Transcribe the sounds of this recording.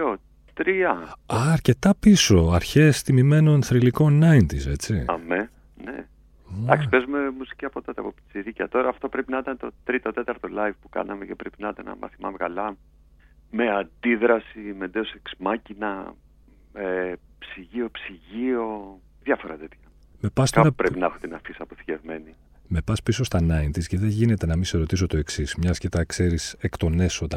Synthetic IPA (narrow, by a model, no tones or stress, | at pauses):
o | t̪ɾiɐɐːɾce̞t̪ɐpiso̞ɐɾçest̪imime̞no̞nθɾiliko̞nɐint̪ise̞t͡sḭɐme | nḛ | ɐ̰ksi̥pezume̞musi̥ciɐpo̞t̪ɐt̪eɐpopt̪i̥t͡siɾicɐ̰t̪o̞ɾɐːft̪o̞pɾepinɐit̪ɐnet̪o̞t̪ɾit̪o̞t̪e̞t̪ɐɾt̪o̞lɐjvpu̥kɐ̰nɐmecepɾepinɐit̪ɐnɐ̰mɐ̰θimɐvɣɐlɐ | me̞ɐnd̪iðɾɐsime̞d̪eoseksmɐcinɐ | epsiʝio̞psiʝio̞ | ðʝɐfoɾɐt̪e̞t̪çɐ | me̞pɐst̪ɐpɾepinɐexot̪inɐfisɐpoθi̥ce̞vme̞ni | me̞pɐspiso̞st̪ɐnɐint̪isceðeʝine̞t̪e̞nɐmiseɾo̞t̪iso̞t̪o̞e̞ksismɲɐscet̪ɐkse̞ɾisekt̪o̞ne̞sot̪ɐ